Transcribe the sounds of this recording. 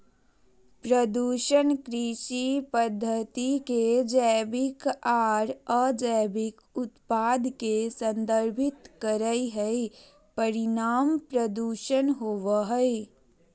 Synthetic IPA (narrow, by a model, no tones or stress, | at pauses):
pɾəd̪uːʃənkɾiʃipəd̪ʱːət̪iked͡ʒəbɪkaːɾəd͡ʒəːbʱɪk | ʊt̪paːd̪kesə̃nd̪əɾbʱɪt̪kəɾəiɦɛe | pəɾɪnaːmpɾəd̪uːʃənɦoːʋaɦəe